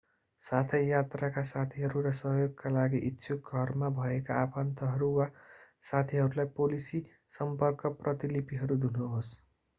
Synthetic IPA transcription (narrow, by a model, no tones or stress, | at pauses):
sat̪ʰejat̪rakasat̪ʰiɦʌɾuɾʌsʌɦjoɡ̚kalaɡiʔitːsʰuk̚ɡʱʌrmabʱʌekaapant̪ʌɦʌɾuwa | sat̪ʰiɦʌɾulajpolisi | sʌmpʌrkʌprʌt̪ilipiɦʌɾud̪unuɦos